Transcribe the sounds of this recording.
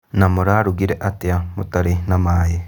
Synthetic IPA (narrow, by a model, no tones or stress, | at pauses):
namoɾaɾuɡiɾeʔatiamutaɾinamaːje